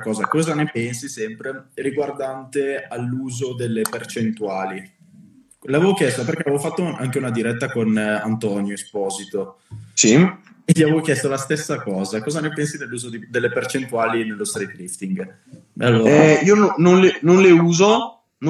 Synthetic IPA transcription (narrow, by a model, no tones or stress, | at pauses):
kɔːzakɔːzanepɛnsisɛmpɾeriɡward̪ant̪ealːuːzod̪elːepert͡ʃent̪uaːli | leavevokjɛst̪operkeavevofat̪ːoʔa̰ŋk̟eunad̪iɾɛt̪ːakona̰nt̪ɔnjoespɔːzit̪o | si | eʎːiavevokjɛst̪olast̪esːakɔːzakɔːzanepɛnsid̪elːuːzod̪id̪elːepert͡ʃent̪uaːlinelːost̪ɾet̪ɾift̪iŋɡ | alːoːɛɾiːonnonlenonleuːzo | n